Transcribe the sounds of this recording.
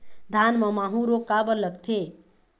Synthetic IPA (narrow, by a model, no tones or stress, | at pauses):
d̪ʱanməmaɦũɾokːabələkt̪ʰe